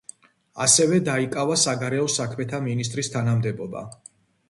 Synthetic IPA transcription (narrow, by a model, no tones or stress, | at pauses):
asɛvɛd̪aikʼavasaɡaɾɛɔsakʰmɛt̪ʰaminis̬t̪ʼɾist̪ʰanamd̪ɛbɔba̰